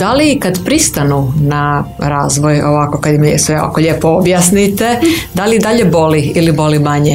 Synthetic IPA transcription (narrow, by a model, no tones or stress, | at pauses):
d̪alikad̪pɾist̪anunaɾaːzʋojoʋakokad̪jimsʋeo̰a̰koʎeːpoobjaːsnit̪e̞d̪aliid̪aʎebo̞liilibo̞limaɲe